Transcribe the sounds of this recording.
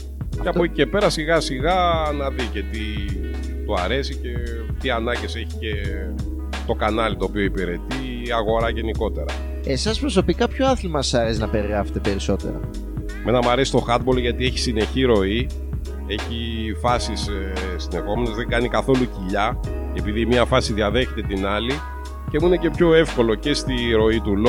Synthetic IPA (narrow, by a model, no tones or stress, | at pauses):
ceɐpocice̞pe̞ɾɐsiɣɐsiɣɐnɐðice̞t̪i | t̪oɐɾe̞sice̞ | t̪iɐnɐɟese̞çi̥ce̞ | t̪o̞kanɐlit̪o̞ːpio̞ipiɾe̞t̪i | ɐɣo̞ɾɐʝe̞niko̞t̪e̞ɾɐ̰ | esɐspɾo̞s̬o̞pikɐpçoɐθlimɐsɐɾesinɐpe̞ɾiɾɐfet̪epe̞ɾiso̞t̪e̞̰ɾɐ̰ | menɐmɐɾe̞si̥t̪o̞xɐt̪̚bolʝɐt̪ieçi̥sine̞çiɾo̞i | e̞çi | fɐsis | sine̞xo̞menezðeŋɡɐnikɐθo̞luciʎɐ | e̞piðimɲɐfɐsiðiɐðe̞çe̞t̪e̞t̪inɐli | ce̞muinece̞pço̞e̞fko̞lo̞ce̞st̪iɾo̞it̪ulo